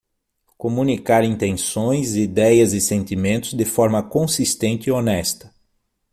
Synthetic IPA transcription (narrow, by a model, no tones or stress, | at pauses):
komũnikaɾĩnt̪ẽsõj̃zid̪ɛjɐzɪsẽnt̪imẽnt̪ʊzd̪ɪfɔɾmɐkõsist̪ẽnt͡ʃ̪ɪɪonɛst̪ɐ̥